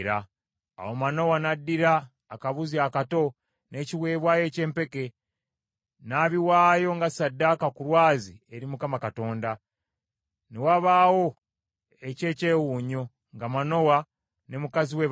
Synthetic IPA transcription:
ɾa̰ː | womano̞wanadːiɾaː | kaβuziakato̞ | nʔe̞ːciwe̞ːβwaːje̞ːce̞ːmpe̞ke̞ | naβiwaːjo̞ŋɡasadːakakuɾwaːzie̞ɾimukamakato̞ːnda | newaβaːwo̞ | ece̞ːce̞ːwuːɲo̞ | ŋɡamano̞wa | ne̞mukaziwe

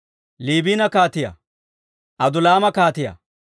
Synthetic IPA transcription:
liːbiːnɐkaːt̪ɪjɐ̰ | ʔɐd̪ʊlaːmɐkaːt̪ɪjɐ̰

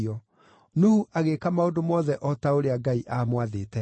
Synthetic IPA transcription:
ɔ | nohuʔaɣekamaodomɔðɛʔɔtaoɾeaɡaiʔamwaðetɛ

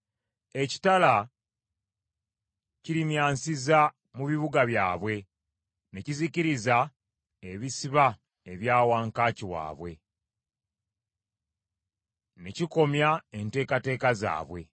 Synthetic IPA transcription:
e̞ci̥tala | ciɾimjaːnsiza | muβiβuɡaβjaːβwe̞ | ne̞ciziciɾiza | eβisiβa | eβjaːwaːŋkaːciwa̰ːβwe̞ | neciko̞mjae̞nte̞ːkate̞ːkaza̰ːβwe̞̰

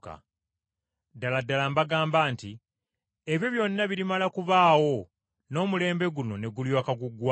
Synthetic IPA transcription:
ka̰ | daladːalambaɡaːmbaːnti | e̞βjo̞βjo̞nːaβiɾimalakuβaːwo̞ | no̞ːmule̞ːmbe̞ɡuno̞ne̞ɡuljwaːkaɡuɡːwa

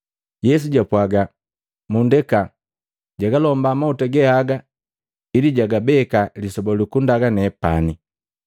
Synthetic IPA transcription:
jɛs̬uɟapwaɡa | mundɛka | ɟaɡalɔmbamautaɡɛhaɡa | iliɟaɡabɛkalisɔbɔlikundaɡanɛpa̰ni

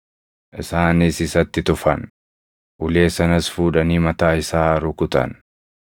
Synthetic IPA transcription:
ʔɪsaːnɪsɪsɐt̪ːɪt̪ʊfɐn | ʔʊle̞ːsɐnɐsfuːᶑɐniːmɐt̪aːɪsaːɾʊkʊt̪ɐ̰n

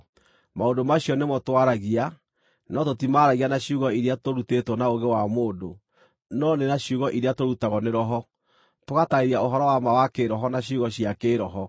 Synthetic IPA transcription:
maodomaɕjɔnemɔtwaɾaɣia | nɔtotimaɾaɣianaɕiuɣɔiɾeatoɾutetwɔnaoɣewamoːndo | nɔnenaɕiuɣɔʔiɾeatoɾutaɣɔneɾɔɦɔ | toɣataiɾiaoɦɔɾɔwamawakeɾɔɦɔnaɕiuɣɔɕiakeɾɔɦɔ

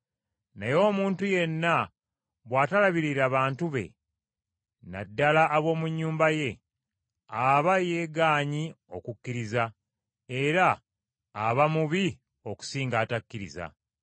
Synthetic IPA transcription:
najo̞ːmuːntuje̞nːa | βwaːtalaβiɾiɾaβaːntuβe̞̰ | na̰dːalaʔːβo̞ːmuɲːuːmbaje̞ | aβaje̞ːɡaːɲi | o̞kukːiɾiza | eɾaː | βamuβi | o̞ku̥siːŋɡaːtakːiɾḭza̰

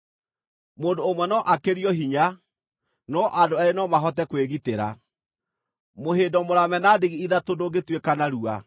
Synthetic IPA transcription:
moːndoːmwɛnɔʔakeɾiɔɦiɲa | nɔʔadoaɾenɔmaɦɔtɛkweɣiteɾa̰ | moheːdɔmoɾamɛnadeɣiiðatodoɡetwekanaɾua̰

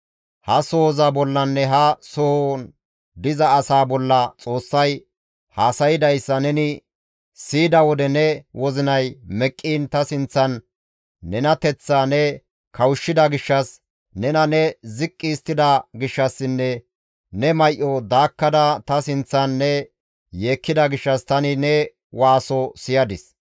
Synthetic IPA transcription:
hɐsoːzɐbɔlːɐnːɛɦɐsʊhɔ | d̪ɪzɐːsaːbɔlːɐt͡sʼo̞ːsːɐj | haːsɐjɪd̪ɐjsːɐnɛnɪ | siːd̪ɐwɔd̪ɛnɛwɔzɪnɐjmɛkʼːiːnt̪ɐsɪnt͡sːɐnː | ɛnɐt̪ɛt͡sːanɛ | kʰɐwʊʃːɪd̪ɐɡɪʃːɐs | nɛnɐnɛzɪkʼːiːst̪ːɪd̪ɐɡɪʃːɐsːɪnːɛ | nɛmɐjʔɔd̪aːkːɐd̪ɐt̪ɐsɪnt͡sːɐnːɛ | je̞ːkːɪd̪ɐɡɪʃːɐst̪ɐnɪnɛ | waːsɔsɪjɐd̪ɪs

